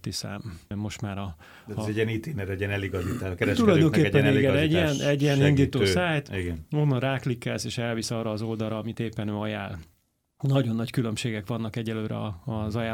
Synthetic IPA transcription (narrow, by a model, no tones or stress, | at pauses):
t̪isɛ̰mmo̞ʃt̪maːɾɒ | ɛɟiɛnit̪eːnɛɾɛɟiɛnɛliɡɒzit̪akɛɾɛʃt̪ulɒjdd̪o̞ŋkeːɛːɛneːɡɛɛɟːiɛnɛɟːiɛnind̪iːt̪oːsːaːjt̪iɡɛno̞nːɒnraːklikːɛlseːʃɛlvisɒːrɒːzo̞ld̪ɒlɾɒɒmit̪eːpːɛnøːɒjaːl | nɒɟo̞nːɒckylø̞mʃeːɡɛkʋɒnːɒkɛɟɛløːɾɛ̰ɒɒzɒjaː